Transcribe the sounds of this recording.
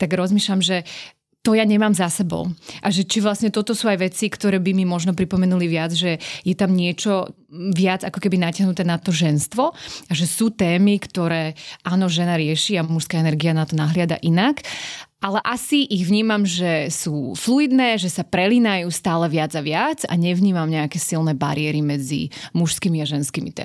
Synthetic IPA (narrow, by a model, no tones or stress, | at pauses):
t̪aɡɾɔzmiːʃlʎamʒɛ | t̪ɔjaɲɛmaːmzasɛbɔ̰ʊʔaʒɛt͡ʃiʋlasɲɛt̪ɔt̪ɔsuːajʋɛt͡sikt̪ɔɾɛːbimimɔʒnɔpɾipɔmɛnuliʋɪad͡zʒɛjɛt̪amɲɪɛt͡ʃɔ | ʋɪad͡zakɔkɛbinacaɦnut̪ɛːnat̪ɔʒɛnst̪ʋɔaʒɛsuːt̪ɛːmikt̪ɔɾɛːaːnɔʒɛnaɾɪɛʃiamuʃskaɛnɛɾɡianat̪ɔnaɦlɪad̪a̰ʔinakʔalɛʔasiʔiɣʋɲiːmamʒɛsuːfluid̪nɛːʒɛsapɾɛlinajuːst̪aːlɛʋɪad͡zaʋɪad͡za̰ɲɛʋɲiːmamɲɛakɛːsilnɛba̰ɾiɪɛɾimɛd͡zḭmuʃskimiaʒɛnskimḭt̪ɛ̰